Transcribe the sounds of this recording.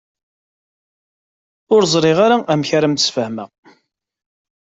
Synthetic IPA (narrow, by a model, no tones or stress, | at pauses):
ʊɾzˤɾˤɪʁaɾaʔæmçaɾəmt̪əsfəhmæ